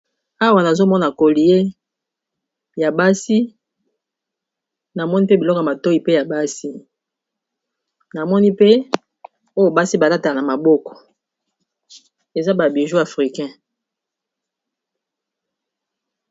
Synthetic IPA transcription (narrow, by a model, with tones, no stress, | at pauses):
a˦wa˨na˨zo˦mɔ˦na˨ko˨li˨je˦ | ja˨ba˦si˦ | na˨mɔ˦ni˦pe˦bi˨lɔ˦kɔ˨a˨ma˨to˦i˨pe˦ja˨ba˦si˦ | na˨mɔ˦ni˦pe˦ | o˦jo˨ba˦si˦ba˨la˦ta˨a˨na˨ma˨bɔ˦kɔ̥˨ | e˨za˦ba˨bi˨ʒu˦a˨fʁi˨kɛ̃˦